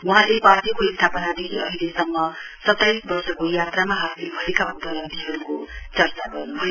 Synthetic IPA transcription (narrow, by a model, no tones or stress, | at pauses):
wuɦãlepat̪ikoist̪ʰapʌnad̪ikʰiʌɦilesʌmːʌ | sʌt̪ːajsbʌrsʌkojat̪ramaɦasilbʱʌɾekabʌt̪ʌʌd̪iɦʌɾukot͡sʌrt͡saɡʌrnubʱʌj